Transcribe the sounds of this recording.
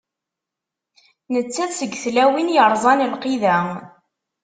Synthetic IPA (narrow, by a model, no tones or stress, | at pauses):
nət͡sːæðsəɡːθlæwinjəɾˤzˤɑnəlqiðæ